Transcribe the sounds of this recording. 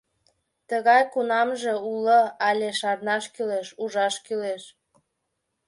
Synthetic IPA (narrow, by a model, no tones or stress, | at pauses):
t̪əɣɑjkunɑmʒeuləɑlʲeʃɑrnɑʃkyleʃuʒɑʃkyleʃ